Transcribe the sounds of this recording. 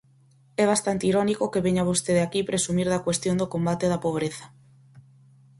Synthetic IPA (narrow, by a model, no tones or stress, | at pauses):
ɛβ̞ast̪ant̪iɾɔnikokeβeɲaβ̞ost̪eðeakipɾesumiɾðɐkwest̪jond̪okombat̪eðɐpoβ̞ɾeθɐ̥